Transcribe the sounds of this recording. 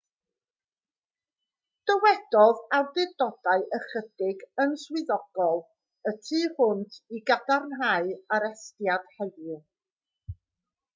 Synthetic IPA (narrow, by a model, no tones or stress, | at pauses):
d̥əwɛdɔðardɨdɔd̥aɨʔəχəd̥ɪɡənswɪðɔɡ̥ɔlˠ | ətʰiːhʊntʰiɡadarnɦaɨaɾɛstjad̥hɛðʊ